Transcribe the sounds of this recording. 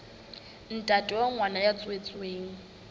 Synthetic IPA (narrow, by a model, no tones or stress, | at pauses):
n̩tʼatʼɪwaŋwanajat͡sʼwet͡sʼweːŋ̩